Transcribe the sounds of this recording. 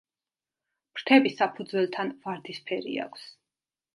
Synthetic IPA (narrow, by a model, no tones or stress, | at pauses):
mɾt̪ʰɛbisapʰud̪zwɛlˠt̪ʰanvaɾd̪ispʰɛɾḭa̰kʷʰs